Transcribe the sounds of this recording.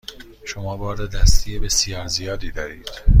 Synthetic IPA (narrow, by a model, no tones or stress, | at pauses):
ʃomɒːbɒːɾded̪æst̪ʰijebe̞sijɒːɾzijɒːd̪iːd̪ɒːɾiːd̪̥